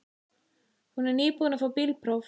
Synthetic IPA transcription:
hunɛɾniːpuðnafawpilpʰɾɔf

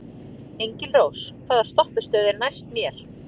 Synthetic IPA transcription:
ejɲcɪnroːwskʰvaːðast̪ɔhpɪst̪œːðɪɾnajst̪mjɛɾ̥

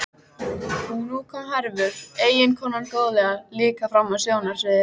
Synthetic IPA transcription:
hunuːkʰamɦaɾvʏɾ̥eːjɪnkʰɔːnanoːwðlɛɣaliːkafɾamːasjoːwnaɾ̥sɪðɪ

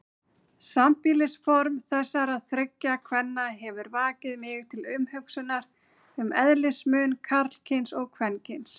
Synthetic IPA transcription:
sampilɪsfɔɾmθɛsːaɾaðθɾʏcːakʰvɛnːaɦɛvʏɾvaːcɪðmɪɣt̪ʰɪlʏmhʏksʏnːaɾ̥ | ʏmɛðlɪsmʏnkʰaɾl̥cʰɪnsɔɣkʰvɛncʰɪns

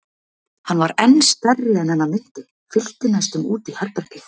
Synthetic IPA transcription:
hanːvaɾɛnːst̪ɛrːɪɛnhɛnːamɪn̥t̪ɪ | fɪl̥t̪ɪnast̪ʏmuːt̪ihɛɾpɛɾ̥cɪ

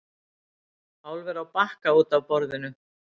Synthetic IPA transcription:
aːwlvɛɾawpahkauːt̪avpɔɾðɪnʏ

